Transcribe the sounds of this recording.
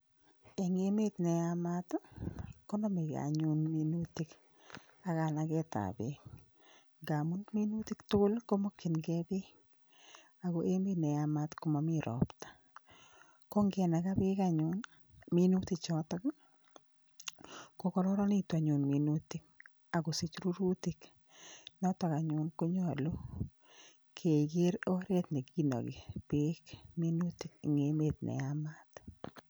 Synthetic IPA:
e˨ŋe˦me˦t̪nɛ˨amat̪ | kɔ˦nɔ˦mi˨ɡa̰ɲʊ˦nminut̪i˦k | a˨ɣa˨na˨ɡɛ˦ta̰˨be˨k | ɡa˨mu˦nmi˦nu˦ti˦ktʊlko˦mɔ˦kʰːi˨nɡɛ˦be˦ | a˨ɡo˦ʔe˦me˦nɛ˨a˨ma˦t̪ko˨ma˨miɾɔ̰˨pt̪ḁ˨ | ko˦ŋɡɛ˨na˨ɡa˦bɪ˦kaɲʊn | mi˦nu˦ti˨t͡ʃɔ˦tɔ˦k | ko˦kɔ˦ɾɔ˦ɾɔ˦ni˦ta˨ɲʊ˨nmi˨nu˦t̪i˦k̚ | a˨ɡo˨si˨t͡ʃɾu˦ɾu˦ti˦k | nɔ˦tɔ˨ka˨ɲʊ˦nko˦ɲo˦a˨lo˦ | kʰe˨iɡe˦ɾo˦ɾe˦t̪ne˨ki˦nɔ̰˨ɡɪ̰˨pɪ˦kmi˦nu˦ti˨kŋeme˨t̪nʔɛ̰˨ama˦t̪

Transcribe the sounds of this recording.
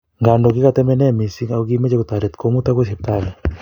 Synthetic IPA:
ŋɡa˨ndo˨kɪ˦ka˨t̪ɛ˦mɛ˦nɛ˦˨mi˨si˦ŋa˨o˦ɡi˦me˦d͡ʒe˦ko˨t̪a˨ɾɛ˨t̪ko˦mu˦t̪a˦ke˦se˨p̚t̪a˦lɛ˨

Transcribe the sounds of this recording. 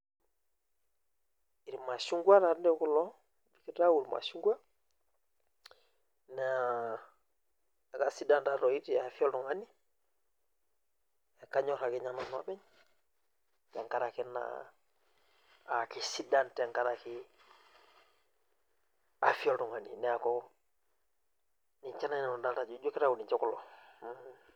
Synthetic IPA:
i˨ɾma˨su˦ŋɡwa˦ɾa˨ɾnde˦ku˦lo˦ | bi˨ki˨ta˦wuɾma̰˨su˦ŋɡu˦a˦ | ne˨a | a˨ka˨si˦da˦nta˦ɾo˨i˦tia˨fi˦o˦ldu˨ŋa˦ni˦ | e˨ka˦ɲo˦ɾa˨ki˨ɲa˦no˨no̰˦ɓe˦ɲ | te˨ŋka˦ɾa˨ki˦na̰ | a˨ki˨si˦danteŋka˦ɾaki | a˨fi˦o˦ltu˨ŋanḭ˨nɛ˨a˨ko | ni˨ɲt͡ʃa˦na˦n˨no˨da˦lta˨d͡ʒu˨d͡ʒu˦ki˦ɾa˦ku˨ni˨ɲt͡ʃo˦kulo

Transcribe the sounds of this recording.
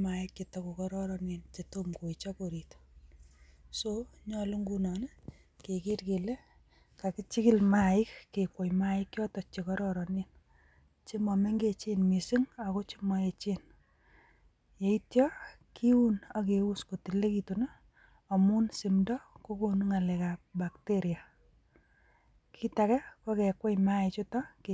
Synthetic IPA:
maɪkjetɔko˨kɔɾɔɾɔnint͡ʃetomko˨it͡ʃɔ˦ko˨ɾito̥ | soɲɔlu˦ŋɡunɔ˨nɛ˦ | ke˨ki˦rke˨le˦ | ka˨kɪ˦t͡ʃɪkɪ˦lmaɪkːekwo˨jma˦ɪkjɔ˦tɔ˨t͡ʃekɔɾɔɾɔnin | t͡ʃi˦ma˨me˦ŋɡe˦t͡ʃenmisi˦ŋa˨ko˦t͡ʃi˦mɔ˨e˨t͡ʃen | je˨i˦tjɔ˦ | ki˦u˦na˦ke˨u˦sko˨ti˨le˦ki˨tuna˦ | ɔ˨mu˦nsi˨mdɔ˦ko˦ko˨nu˦ŋa˨le˨ka˨p̚ba˨kteɾja˨ | kʰi˦takɛ˦ko˦ke˨kwo˦jma˦ɪ˨t͡ʃʊ˦tɔ˦ke

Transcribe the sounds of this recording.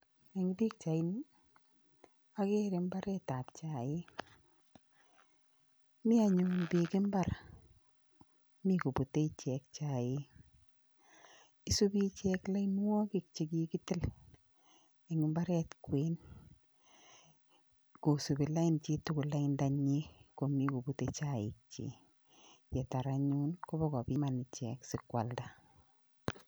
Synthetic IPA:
e˨ŋ˦bi˦k̚t͡ʃa˨ɪ˦n | a˦ke˦ɾe˨mba˦ɾɛ˦ta˨pt͡ʃa˨ɪ˦ | mɪ˦a˨ɲʊ˨bi˨kɪ˦mba˦ɾa˨ | mi˦ko˨bo˨te˦˨t͡ʃɛ˨k̚t͡ʃa˨jɪ˦ | i˦so˦bi˦t͡ʃɛ˦kla˦i˦n˦wɔ˦kɪ˦˨k̚t͡ʃe˨ɡi˦ki˦tɪ˦l | e˨ŋɪ˦mba˦ɾɛ˦tkwe˦n | ko˨su˨bi˨la˦ɪ˦nt͡ʃi˦tʊ˦kʊ˨la˦ɪ˦nda˨ɲi˦ko˨mi˦ko˨bu˨te˦t͡ʃa˦ɪ̰˨k̚t͡ʃḭ˦ | jɛ˨ta˨ɾa˦ɲu˦nko˦bɔ˦kɔ˨bi˦ma˨ni˨t͡ʃɛ˨ksɪ˨kwa˨lda˦

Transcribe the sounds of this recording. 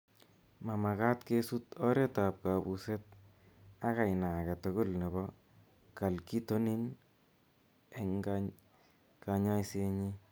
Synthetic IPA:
ma˨ma˨ka˦tke˦su˦tɔ˦ɾe˦ta˨p̚ka˨bu˨se˦t̚ | a˦ka˨jna˨kɛ˨tʊ˨ɡo˦lne˨bɔ˦ | ka˨lki˦to˦ni˦n | e˨ŋɡa | ka˨ɲa˦jse˧ɲi˦

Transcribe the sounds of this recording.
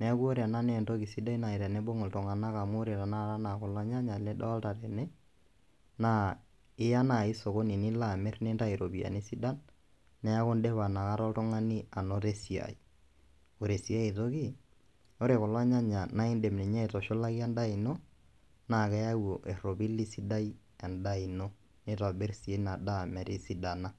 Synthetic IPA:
nɛ˨a˦ku˦o˦ɾa˨na˦nɛ˦˨nto˦ki˨si˦da˦i˦na˨i˨tɛ˨nɛ˦bo˦ŋɔ˨ltɔ˨ŋa˨na˦ka˨mo˦ɾe˨ta˨na˦˨ɾa˦na˨kɔ˨lwa˦ɲa˦ɲa˨lɛ˦dɔ˦a˦lta˨ɾɛ˨nɛ˦ | na˦ | ɪ˦ja˦na˨i˦so˨ko˦ni˨ni˦la˦˨mɛ˦ɾnɛ˦nta˦i˨ɾo˨bi˨a̰˨ni˦si˦da˦nː | ɛ˦ja˦kɔ˦ndɛ˦βa˨na˨ka˦ɾɔ˦ltɔ˦ŋa˦ni˦a˨nɔ˦te˦si˨a̰˨i˨ | o˨ɾe˨si˨a˦i˨to˦ki˦ | o˦ɾe˨kɔ˨la˦ɲa˦ɲa˨na˦i˦nde˨mnɛ˨ɲa˦i˨tɔ˨ʃɔ˦la˦ki˦a˦nda˦i˨nɔ˦ | na˦˨kɛ˦ja˦wo˨ʔɛ˨ɾɔ˨bi˦li˦si˦da˦i˦ | ɛ˨nda˦i˨nɔ˦ | nɛ˦ta˨bɛ˦ɾsi˨e˦na˨da˦˨mɛ˨ɾi˦si˦da˨na˦

